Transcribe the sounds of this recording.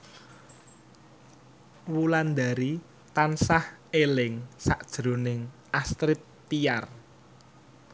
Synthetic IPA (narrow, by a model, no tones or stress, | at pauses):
wuland̪aɾi | t̪ansahelɪŋsaʔd̥ʒ̥ɾo̤nɪŋʔast̪ɾɪt̪ːijar